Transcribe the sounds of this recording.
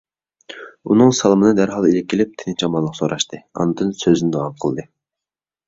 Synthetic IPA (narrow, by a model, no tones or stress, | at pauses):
ṵnɨŋsɑlˠmɨnɨd̪æɾɦɑlˠilɪp̚kʲʰelɪp̚t̪ʰɪnɪnt͡ʃʰɛɑmɑlˠːəqsoɾʔɑʃt̪ɨɑ̰nd̪ɨnsøzynɪd̪owɑqʰəlˠd̪ɨ